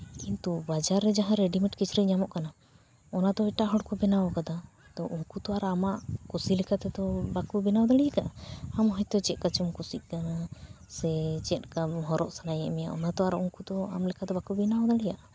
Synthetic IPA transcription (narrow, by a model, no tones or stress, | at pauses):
kint̪ubad͡ʒaɾːɛd͡ʒaɦãɾɛɖimiʈkit͡ʃɾiɲamɔʔkana | ɔnad̪ɔɛʈaɦɔɽkɔbɛnawɔkad̪a | t̪ɔʔuŋkut̪ɔaɾamaʔkusilikʰat̪ɛt̪ɔbakubinawd̪aɽijakaʔaamɦɔjt̪ɔt͡ʃɛt̪̚kat͡ʃɔmkusit̪̚kana | sɛt͡ʃɛt̪̚kamɦɔɾɔʔsanajɛʔmɛja̰ʔɔnat̪ɔaɾɔuŋkut̪ɔa̰mlikʰad̪ɔbakubinawd̪aɽijaʔa